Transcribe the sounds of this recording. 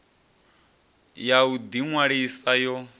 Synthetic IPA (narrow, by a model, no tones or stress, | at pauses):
jaud̪iŋwaɺisajɔ